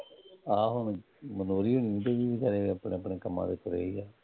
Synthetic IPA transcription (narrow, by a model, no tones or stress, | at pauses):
aːɦʊn | mənoːɾiːoːniũːt̪eːʋiːʋiːkəɾeːəpɳeːəpɳeːkəmːã̰ːd̪ḛːkʰʊɾḛːiːaː